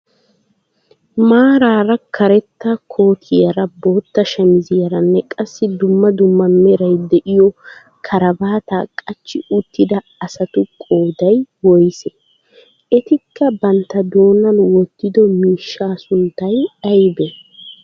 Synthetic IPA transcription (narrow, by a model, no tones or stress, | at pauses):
maːɾaːɾɐkʰɐɾɛt̪ːɐkʰo̞ːt̪ʰɪjɐɾɐbo̞ːt̪ːɐʃɐmɪzɪjɐɾɐnːɛkʼɐsːɪd̪ʊmːɐd̪ʊmːɐmɛɾɐjd̪ɛʔɪjɔ | kʰɐɾɐbaːt̪akʼɐt͡ʃːɪʊt̪ːɪd̪ɐ | ɐsɐt̪ʊkʼo̞ːd̪ɐjwɔjsɛ̥ | ʔɛt̪ɪkːɐbɐnt̪ːɐd̪o̞ːnɐnwɔt̪ːɪd̪ɔmiːʃːaːsʊnt̪ːɐjɐjbɛ